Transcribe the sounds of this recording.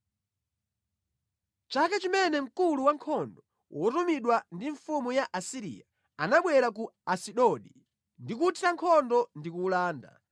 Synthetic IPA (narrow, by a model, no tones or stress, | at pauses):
t͡ʃakat͡ʃimɛnɛm̩kuluwaŋkʰɔndɔ | wʔɔtumiɗwandiɱfumujaʔasiɾḭja | anaɓwɛɾak̬uasiɗɔɗi | ndik̬utʰiɾaŋkʰɔndɔndikuːlaːnda̰